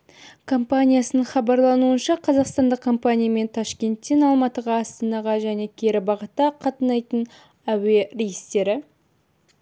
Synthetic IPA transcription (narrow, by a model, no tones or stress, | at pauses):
kʰompanʲijasənəɴχɑbɑɾlˠɑnuənʃɑqʰɑzɑqst̪ɑnd̪əq̚kʰːo̞mpanʲijame̞nt̪ʰɑʃkʲe̞nt̪ːe̞nɑlˠmɑt̪əʁɑːst̪ɑnɑʁɑʒæne̞kʲʰe̞ɾɪbɑʁət̪ɑqʰɑt̪ənɑjt̪ən | æwerʲejist̪e̞ɾɪ